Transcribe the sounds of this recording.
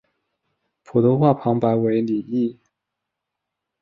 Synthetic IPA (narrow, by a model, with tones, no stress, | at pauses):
pʰu˨˩t̪ʰo˧˥ʊxwa˥˩pʰɑ˧˥ŋpa˧˥ɪwe˧˥ɪli˨˩i˥˩